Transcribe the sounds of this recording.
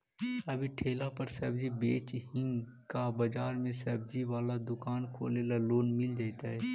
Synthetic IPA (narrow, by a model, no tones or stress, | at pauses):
ɐbʱiʈʰeːlapɐɾsɐbd͡ʒibeːt͡ʃɦɪ̃ŋ | kabɐd͡ʒaːɾmẽsɐb̚d͡ʒiʋaːlad̪ʊkaːnkʰo̰ːleːlaloːnmɪld͡ʒaːɪt̪aɦɛː